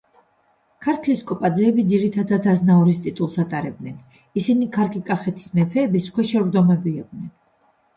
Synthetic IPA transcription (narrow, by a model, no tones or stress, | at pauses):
kʰaɾt̪ʰliskʼɔpʼad̪zɛːbid̪ziɾit̪ʰad̪at̪ʰaznaɔɾist̪ʼit̪ʼulˠsat̪ʼaɾɛb̚d̪nɛn | isinikʰaɾt̪ʰlkʼaχɛt̪ʰi̥smɛpʰɛːbiskʰwɛʃɛɾd̪ɔmɛbiːq̪̚ʼnɛn